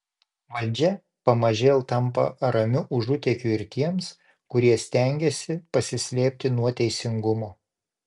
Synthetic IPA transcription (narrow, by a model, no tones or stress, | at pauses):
ʋɐlʲˑd͡ʒʲɛ | pɐmɐʒʲeːlˠt̪ɐmpɐ̰ɐɾɐmʲʊʔʊʒʊt̪ʲɛkʲuːɪɾt̪ʲiɛms | kʊɾʲiɛsʲt̪ʲɛˑŋʲɡʲɛsʲɪpɐsʲɪsʲlʲeːpʲt̪ʲɪnuɔt̪ʲɛɪsʲɪŋɡʊmoː